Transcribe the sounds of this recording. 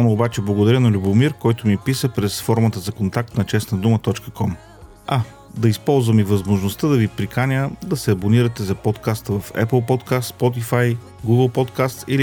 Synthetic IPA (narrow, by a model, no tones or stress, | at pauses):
anoːbat͡ʃɛblˠɐɡod̪ɐɾʲənɐlʲubomiɾkɔjt̪ʊmipisəpɾɛsfɔɾmət̪əzɐkont̪ak̚t̪nɐt͡ʃɛsnəd̪umət̪ɔt͡ʃkəkɔm | a | d̪ɐispɔlˠzvəmivəzmoʒnost̪əd̪ɐvipɾikanʲəd̪ɐsɛɐboniɾət̪ɛzɐpɔt̪kast̪əvɐfɛ̰pəlˠpɔt̪kast̪spɔt̪̬ifaj | ɡuɡəlˠpɔt̪kast̪sili